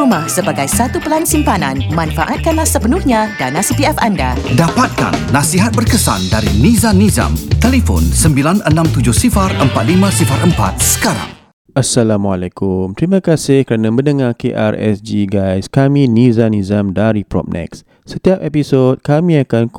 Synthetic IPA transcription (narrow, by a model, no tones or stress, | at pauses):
umahsəbaɡajsat̪upəlansimpananmãnfaʔat̪̚kanlahsəpənʊhɲãdanãsipiɛfandadapat̪̚ka̰nːasiɦat̪̚bərkəsa̰ndaɾinizaniza̰mt̪elefɔ̰nsəmbilanənãmt̪ud͡ʒʊhsifarəmpat̪̚limãsifaɾəmpa̰t̪̚sə̥kaɾa̰ŋ | ʔasːalamwalɛkumt̪ɾimãkasɪhkəɾanãbənəŋarkeʔa̰rɛ̰sd͡ʒiɡajskamĩnizanizamdaɾipɾɔ̰p̚nɛ̰ks | sət̪iap̚ɛpisod̚kamĩakan